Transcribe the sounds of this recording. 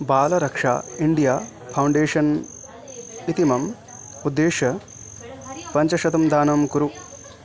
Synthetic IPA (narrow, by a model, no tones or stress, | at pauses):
baːlɐɾɐkʂa̰ːiɳɖijaː | pʰɐwɳɖeːʂɐn | it̪imɐm | ud̪ːeːʂɐ | pɐɲt͡ʃɐʃɐt̪ɐmd̪ʱaːnɐmkuɾu